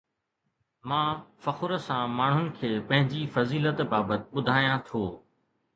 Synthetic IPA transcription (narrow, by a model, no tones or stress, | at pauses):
mãːfɐxʊɾəsãmaːɳ̤ʊnɪ̆kʰeːpɐ̃ɦɪ̃ɲd͡ʑifɐziːlət̪baːbət̪ɪ̆ɓʊd̪ʱaːjãt̪ʰoː